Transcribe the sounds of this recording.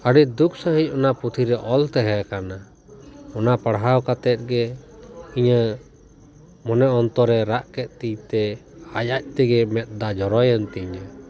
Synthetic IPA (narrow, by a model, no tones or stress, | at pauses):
əɽic̚d̪ukʰsəɦic̚ˀɔnaput̪ʰiɾɛʔɔlt̪ɛɦɛkana | ɔnapəɽɦawkat̪ɛt̪̚ɡɛ | iɲə | mɔnɛɔnt̪ɔɾɛɾaʔkɛt̪̚t̪ijt̪ɛajac̚t̪ɛɡɛmɛt̪̚d̪ad͡ʒɔɾɔjənt̪iɲə